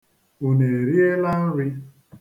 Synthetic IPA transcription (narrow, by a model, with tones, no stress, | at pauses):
u˨ne˨e˨ɾi˦e˦la˦n̩˦ɾɪ˦